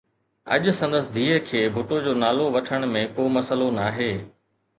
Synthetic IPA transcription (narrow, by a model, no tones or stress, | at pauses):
ɐ̰ʄʊsɐ̃nd̪əsɪd̪ʱiːəkʰeːbʱʊʈod͡ʑoːnaːloʋɐʈʰəɽ̃mẽkoːmɐsəlonaːɦeː